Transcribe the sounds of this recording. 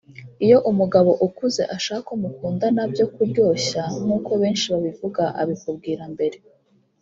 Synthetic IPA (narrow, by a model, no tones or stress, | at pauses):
ijo̞ʔumuɡaβo̞ʔukuze̞̰ʔaʃaːhakomukuːndanabjo̞kuɾjo̞ːɕanuːko̞βe̞ːnʃiβaβivuɡaʔa̰βikub̚ɡiːɾambe̞ɾe̞